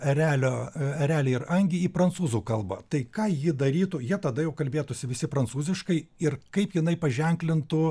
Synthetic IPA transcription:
ɛɾʲæːlʲoːɛɾʲæːlʲɛɪɾɐŋʲɡʲiiːpɾɐnt̪suːzuːkɐlˠbɐ̰t̪ɐɪkɑːjɪd̪ɐɾʲiːt̪ʊːjiɛt̪ɐd̪ɐjɛʊkɐlʲbʲeːt̪ʊsʲɪʋʲɪsʲɪpɾɐnt̪suːzʲɪʃkɐɪɪrkɐɪpjɪnɐɪpɐʒʲɛŋʲklʲɪnt̪ʊ

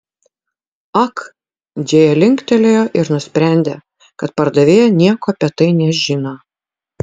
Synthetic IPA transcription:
ɐk | d͡ʒ̪ʲeːjɛlʲɪŋkt̪ʲɛlʲeːjoːʔɪɾnʊsʲpʲɾʲæˑnʲd̪ʲeː | kɐt̪pɐɾd̪ɐʋʲeːjɛnʲiɛkoːɐpʲɛt̪ɐɪnʲɛʒʲɪno

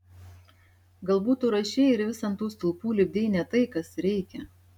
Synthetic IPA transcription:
ɡɐlˠbuːt̪uːɾɐʃʲɛːɪɾʋʲɪsɐnt̪uːst̪ʊlˠpuːlʲɪbʲd̪ʲɛɪnʲɛt̪ɐɪkɐsɾʲɛɪkʲɛ

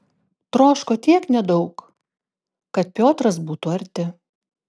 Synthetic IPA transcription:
t̪ɾoːʃkoːt̪ʲiɛknʲɛd̪ɔʊk | kɐt̪̚pʲoːt̪ɾɐsbuːt̪uɐɾʲt̪ʲɪ

